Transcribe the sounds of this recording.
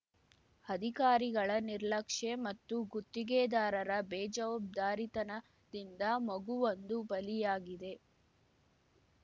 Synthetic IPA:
ɐd̪ʱikaːɾiɡɐɭɐniɾlɐkʂemɐt̪ːuɡut̪ːiɡeːd̪aːɾɐɾɐbɛːd͡ʒɐʋɐb̚d̪aːɾit̪ɐnɐ | d̪ind̪ɐmɐɡuʋond̪ubɐlijaːɡid̪e̞

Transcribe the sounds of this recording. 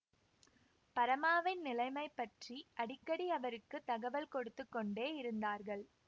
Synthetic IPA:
pɐɾɐmaːʋɪnnɪlɐɪmɐɪpːɐʈriʔɐɽɪkːɐɽiɐʋɐɾɯkːɯt̪ɐɣɐʋɐlkɔɽɯt̪ːɯkːɔɳɖeːɪɾɯnd̪aːɾɣɐɭ

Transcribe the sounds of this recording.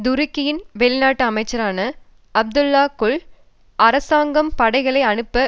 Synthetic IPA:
d̪ʊɾɪkːɪjɪnʋɛɭɪnaːʈːɯɐmɐɪt͡ʃːɐɾaːnɐ | ʔɐb̚d̪ʊlːaːkʊɭ | ʔɐɾɐsaːŋɡɐmpɐɽɐɪɣɐɭɐɪɐnɯpːɐ

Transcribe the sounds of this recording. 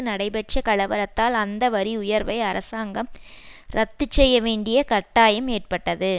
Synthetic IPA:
ɯnɐɽɐɪbɐʈ̚t͡ʃɐkɐɭɐʋɐɾɐt̪ːaːlɐnd̪ɐʋɐɾiʊjɐɾʋɐɪɐɾɐsaːŋɡɐmɾɐt̪ːɯt͡ʃːɛjːɐʋeːɳɖɪjɐkɐʈːaːjɐmeːʈ̚pɐʈːɐðɯ

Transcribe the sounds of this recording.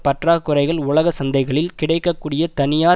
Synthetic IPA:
pɐʈraːkːʊrɐɪɣɐɭʊɭɐɣɐsɐnd̪ɐɪɣɐɭɪlkɪɽɐɪkːɐkːuːɽɪjɐt̪ɐnɪjaː

